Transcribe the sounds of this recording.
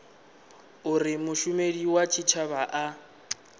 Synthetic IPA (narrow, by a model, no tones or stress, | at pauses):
ʊrɪmʊʃʊmediwat͡ʃʰit͡ʃʰaβaʔa